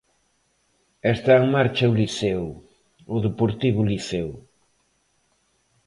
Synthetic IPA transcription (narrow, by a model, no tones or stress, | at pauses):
est̪aeŋmaɾt͡ʃɐʊliθɛw | ʊðepoɾt̪iβ̞ʊliθew